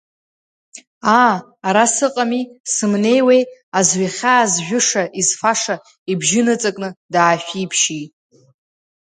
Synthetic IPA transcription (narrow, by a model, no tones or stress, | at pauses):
aː | ɾasɨqʼamisɨmne̞jwejazɥaχʲaːzʒᶣʊʂaʔizfaʂa | ibʒɪnɨt͡sʼakʼnɨdaːʃᶣipʰʃitʼ